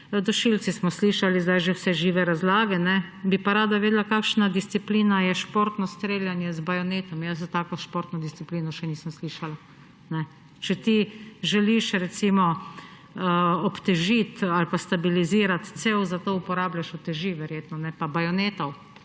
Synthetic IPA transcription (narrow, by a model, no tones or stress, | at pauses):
d̪ɔʃilt̪sismɔsliːʃalizd̪ajʒewsɛʒiːʋɛɾazlaːɡɛnɛbipaɾaːd̪aʋeːd̪lakakʃnad̪ist̪siplinajɛʃpoːɾt̪nɔst̪ɾeːljanjɛzbajɔneːt̪ɔmjas̬zat̪aːkoʃpoːɾt̪nɔd̪ist̪sipliːnɔʃɛniːsəmsliʃala | nɛ | t͡ʃɛt̪iʒɛliʃɾɛt̪simɔ | əɔpt̪ɛʒit̪alpast̪abiliziːɾat̪t̪sewzat̪oːupɔɾaːblʲjaʃut̪ɛʒiʋɛɾjeːt̪nɔnɛpabajɔneːt̪ɔw